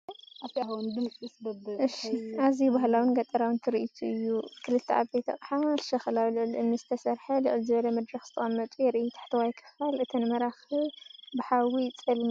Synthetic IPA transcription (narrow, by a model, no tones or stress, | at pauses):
aft̪ʰiahwnd̪ɨmt͡sʼisbɐbʔɨʃiazibahlawɨnɡɐt̪ʼːɐɾawɨnt̪ʰɨɾiʔit̪ʰuɨjːukʰɨlɨt̪ʰːɐa̰bet̪ʰɐqʼħaʃɐxɨlawlɨʔɨlʔɨnːɨzɨt̪ʰɐsɐɾħɐlɨʔɨlzɨβɐlɐmɐd̪ɾɐxz̥ɨt̪ʰɐχʼɐmːɐt̪ʼujɛɾʔɨjut̪ʰḁħt̪ʰiwajkʰɨ̥xalʔɨt̪ʰɐnɨmɐɾaxibɨħawit͡sʼɨlm